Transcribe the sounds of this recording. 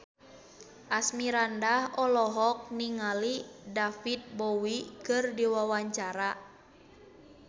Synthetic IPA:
ʔasmiɾandahɔlɔɦɔk̚niŋalidafit̪̚bɔwikɨrdiwawaɲt͡ʃaɾa

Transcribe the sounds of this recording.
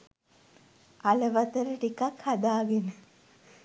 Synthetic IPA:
aləʋat̪əɾəʈikakhad̪aːɡenə

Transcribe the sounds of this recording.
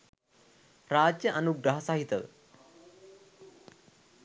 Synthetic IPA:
ɾaːd͡ʒjɐʔɐnuɡɾaɦɐsaɦit̪ɐʋ

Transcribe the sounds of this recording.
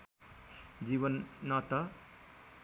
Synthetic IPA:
d͡zibʌnːʌt̪ʌ

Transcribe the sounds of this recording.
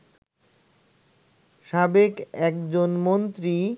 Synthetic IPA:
ʃabekɛkd͡ʑonmont̪ɾi

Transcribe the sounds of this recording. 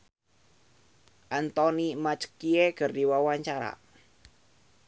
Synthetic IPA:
ʔant̪ɔnimat͡ʃkieɡ̥ə̤rd̥iwawaɲt͡ʃaɾa̰

